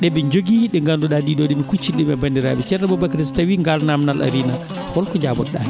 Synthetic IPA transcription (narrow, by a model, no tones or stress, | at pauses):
ɗɛɓɛɲd͡ʒoɡiɗɛŋɡanduɗadiːɗɔɗimikut͡ʃːinɗɛmɛbandiɾa̰ɓɛt͡ʃɛɾɛbɔbakɾistawiːŋɡalnamnalʔa̰ɾiːna | wɔlkɔɲd͡ʒaːbɔ̰ɗa̰